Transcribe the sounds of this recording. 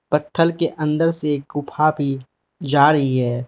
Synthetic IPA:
pət̪ʰːəlkeʔɐ̃nd̪əɾseːk̚ɡʊpʰabʱi | d͡ʒaːɾəɦiɦɛː

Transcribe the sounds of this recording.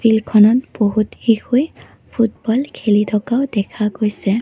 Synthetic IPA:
pʰilkʰɔnɔtb̥oɦuthixʰoj | pʰut̚bɔlkʰelitʰɔkaʊdɛkʰaɡojsɛ

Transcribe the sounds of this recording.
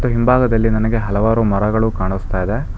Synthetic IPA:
t̪ːuɦimbʱaːɡɐd̪ɐlːinɐnɐɡe̞ɦɐlɐʋaːɾumɐɾɐɡɐɭukaːɳust̪aːjid̪e̞

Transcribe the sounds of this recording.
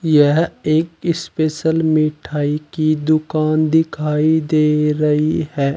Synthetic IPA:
jɛɦeːkɪspeːʃəlmiːʈʰaːikid̪ʊkaːnd̪ɪkʰaːid̪eːɾɐɦihɛː

